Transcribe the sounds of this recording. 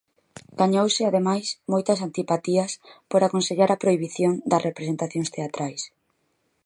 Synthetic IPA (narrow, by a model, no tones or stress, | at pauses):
ɡ̥aɲowsɪaðemajsmojt̪ɐsant̪ipat̪iɐspoɾakonseʎaɾɐpɾoiβiθjoŋd̪ɐsrʔepɾesent̪aθjoŋst̪eat̪ɾajs